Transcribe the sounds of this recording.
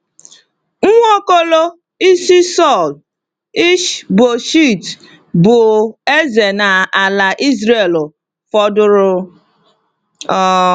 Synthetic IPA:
ŋ̩˦ŋʷɔ˦ko˦lo˦ | i˦si˦sɔ˦˨l | i˦ʃbo˨ʃi˦˨t | bʊ˨e˦ze˨na˨a˨la˨ʔi˦z̬ɾe˨lʊ˨ | fɔ˦dʊ˦ɾʊ˦ | ɔ˦

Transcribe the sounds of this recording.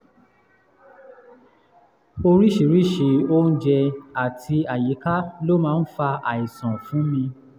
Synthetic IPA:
o˧ɾi˦ʃi˨˦ɾi˦˨ʃi˨˦o˦n̩˦d͡ʒɛ˧a˨tʰi˧a˨ji˨˦ka˦lo˦mãː˦˧˦n̩˦fa˧a̰˨i˨sã˨fũ˨˦mĩ˧

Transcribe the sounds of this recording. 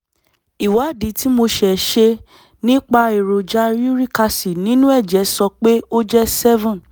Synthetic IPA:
i˨wa˨˦˨dĩ˨˦ti˦mo˧ʃɛ˨ʃe˧ | nĩ˦k͡pa˧e˨ɾo˨d͡ʒa˨˦ɾi˦ɾi˦ka˧si˨nĩ˦nũ˦ɛ˦˨d͡ʒɛ˨˦sɔ˧k͡pe˦o˦d͡ʒɛ˦sɛ˦vã˦˨

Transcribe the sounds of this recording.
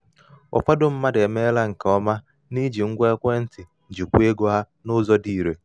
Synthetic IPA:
ɔ̰˨fa˦dʊ˦m̩˦ma˦de˨me˦la˦ŋ̩˨ka˨ɔ˦ma˦ | ni˦d͡ʒi˨ŋ̩˦ɡʷe˦kʷe˦n̩˦tɪ˨d͡ʒi˨kʷu˦e˦ɡo˦ɦa˦ | nʊ˦zɔ˦di˦˨ɾe˨

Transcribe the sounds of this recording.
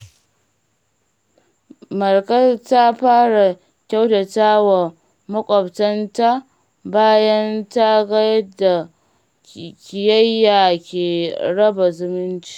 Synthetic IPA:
mɐ˨rkɐ˦ta˦ɸaː˦ɽa˨ | kʲa˦wtɐ˨taː˦wa˨ | mɐ˦kʷʼɔ˨btɐ˦nta˦ | baː˦jɐ˦nta˦ɡɐ˦jɐ˦da˨ | kʲɪ˨jɐ˦jːaː˨kʲeː˨ɽɐ˦ba˨zʊ˦mɪ˦nt͡ʃi̥˦

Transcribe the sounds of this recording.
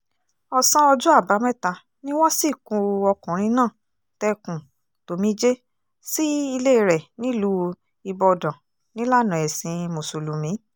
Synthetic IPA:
ɔ˦sã˦ɔ˧d͡ʒu˦a˦˨ba˨˦mɛ̃˦ta˧ | nĩ˦w̃ɔ̃˦si˦˨kũ˧ɔ˧kũ˨ɾ̃ĩ˧nãː˦˨ | tɛ˧kũ˨ | to˨mĩ˦d͡ʒe˦ | si˦i˧le˦˧˨ɾɛ˨nĩ˦lu˨˦ | i˧bɔ˧dã˨ | nĩ˦la˦˨nã˨ɛ˨sĩ˨˧mo˨su˨lu˨mĩ˨˦

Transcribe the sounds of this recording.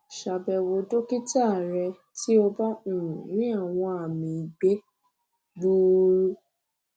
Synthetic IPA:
ʃa˧bɛ˧wo˧do˦ki˦ta˦˨ɾɛ˧ | tʰi˦o˧ba˦ũ˨nĩ˦a˦˨w̃ɔ̃˧a˨mĩ˧i˨ɡ͡be˦ | ɡ͡bu˦ɾu˦

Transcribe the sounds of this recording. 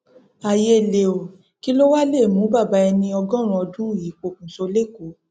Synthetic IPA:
a˨je˧˨le˨o˨ | ki˦lo˦wa˦le˦˨mũ˨˦ba˦˨ba˨˧˦ɛ˧nĩ˧ɔ˧ɡɔ̃˦ɾ̃ũ˧ɔ˧dũ˦˨ji˨˦k͡po˧˨k̚ũ˨so˧le˦˨ku˨˦

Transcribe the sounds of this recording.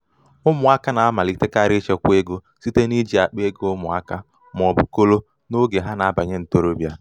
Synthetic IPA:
ʊ˦mʊ˨a˦ka˦na˨a˦ma˨li˦te˦ka˦ɾɪ˦t͡ʃe˦kʷe˦ɡo˦ | si˦te˦ni˦d͡ʒi˨a˨k͡pe˦ɡʊ˦mʊ˨a̰˦ka˦ | m˨ɔ˨bʊ̰˨ko˦lo˦ | no˦ɡe˨ɦa˦na˨a˦ba˨ɲe˦n̩˨to˦ɾo˦bja˦

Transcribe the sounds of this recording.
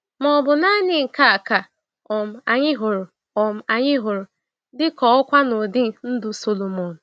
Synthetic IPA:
mɔ˨bʊ˨na˦ɲɪ˨ŋ̩˨ka˦a˨ka˨ | ɔ˨m̩˨a˨ɲɪ˦ɦo˨ɾo˨ | ɔ˨m̩˦a˨ɲɪ˦ɦo˨ɾo˨ | dɪ˦kɔ˨˦ɔ˦kʷa˦no˨dɪ˦˨n̩˦dʊ˦so˦lo˨mo˨nʊ˨

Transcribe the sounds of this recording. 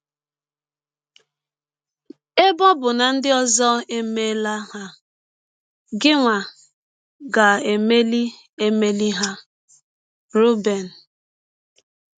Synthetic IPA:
e˦bɔ˦bʊ˨na˨n̩˦dɪ˦ɔ˦zɔ˦e˦me˦la˦ɦa˦ | ɡɪ˦ŋʷa˨ | ɡa˨e˨me˦li˦ | e˦me˦li˦ɦa˦ | ɾu˦be˨n̩˨

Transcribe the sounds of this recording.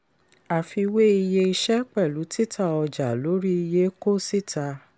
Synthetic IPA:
a˨fi˧we˦i˧je˧i˧ʃɛ˦k͡pɛ˦˨lu˨˦ti˦˨tʰa˦˨ɔ˧˨d͡ʒa˨lo˨˦ɾi˦i˧je˧˦ko˦˨si˦˨tʰa˧

